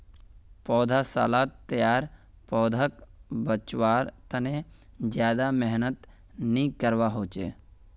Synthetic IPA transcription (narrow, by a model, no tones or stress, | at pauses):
pɔːd̪ʱasa̰ːlaːt̪ːjaːɾ | pɔːd̪ʱakbət͡ʃwaːɾt̪əne | d͡ʒjaːd̪ameɦnət̪ | nĩkəɾwaɦoːt͡ʃḛː